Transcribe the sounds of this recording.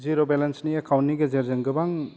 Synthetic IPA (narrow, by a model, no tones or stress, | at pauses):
ziɾobelensniɐkʰawnːiɡezeɾzeŋɡɐbaŋ